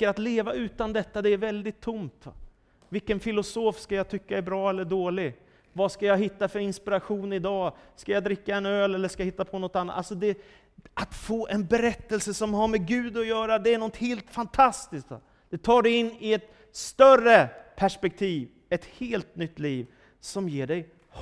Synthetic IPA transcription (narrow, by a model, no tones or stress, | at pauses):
əɾat̪leːvaʉ̟ːt̪and̪ɛt̪ːad̪ɛæɾvɛld̪ɪt̪ʰːʊmt̪ | vɪlkːənfɪlʊsoːfskajat̪ʰʏkːaæɾbɾɑːɛlːəɖoːlɪ | vaskajaɦɪt̪ːafœɾɪnspɪɾaɧuːnɪd̪ɑːskajad̪ɾɪkːaɛnøːlɛlːəʂkajahɦɪt̪ːapʰɔnɔt̪ːanːat̪alsɔd̪ɛ | ʔat̪foːʔɛnbɛɾɛt̪ːəlsəsɔmɦaɾmɛɡʉ̟ːd̪ɔjœːɾad̪ɛænɔt̪heːlt̪fant̪ʰast̪ɪsk̚t̪ | d̪̥ɛt̪ʰɑːɖɛɪnːɪɛt̪ | st̪œrəpʰæʂpɛk̚t̪ʰiːv | ɛt̪heːlt̪nʏt̪ːliːv | sɔmjeːɖɛj | h